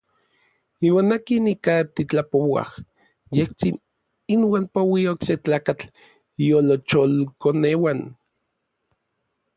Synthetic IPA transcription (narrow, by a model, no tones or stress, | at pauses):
iːwaːnakinikat̪it͡ɬapowa̰h | jeht͡sin | inwaːnpowiaokset͡ɬaːkat͡ɬ | jolot͡ʃolkonewan